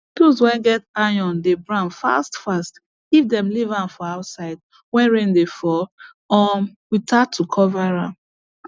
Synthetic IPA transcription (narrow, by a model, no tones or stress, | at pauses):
kuzwɛ̃ɡɛtajɔ̃ndebɹãnfa̰stfast | ivdɛ̃mlivãnfɔaʊtsaɪd̚ | wɛ̃nɹẽndefɔ | ɔwitʰatʰːukʰɔvaɹãm